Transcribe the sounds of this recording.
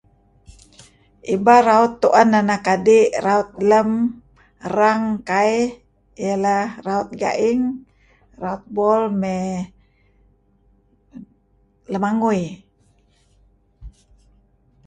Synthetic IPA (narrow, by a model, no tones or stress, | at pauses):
ʔibaɾaut̪ːuʔanːanakadiraut̪̚ləm | raŋkai | jalaraut̪̚ɡa̰ʔiŋ | raut̪̚bɔlmɛ | ləmaŋui